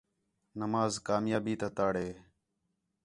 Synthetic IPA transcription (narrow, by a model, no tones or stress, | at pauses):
nəmaːzkaːmjaːbiːt̪aːt̪aːɽeː